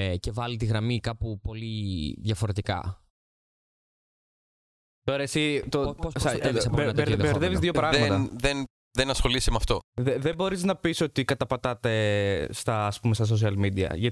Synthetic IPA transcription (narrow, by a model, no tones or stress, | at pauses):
ce̞vɐlit̪iɣɾɐmikɐpupo̞liðʝɐfo̞ɾe̞t̪ikɐ̰ | t̪o̞ɾɐesit̪oopossɐsɐelsɐponɐt̪eɾðjɐɾðevizðjopɾɐɣmeɐt̪ɐðen | ðenɐsxo̞lisimɐft̪o̞ðeðebo̞ɾiznɐpiso̞t̪ikɐt̪ɐpɐt̪ɐt̪est̪ɐːspumest̪ɐs̬os̬iɐlmid̪iɐ̰ʝɐ